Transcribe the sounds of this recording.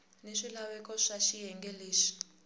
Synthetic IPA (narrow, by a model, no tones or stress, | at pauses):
neʂilawɛkʼɔʂaʃijɛŋɡʱeleːʃi̥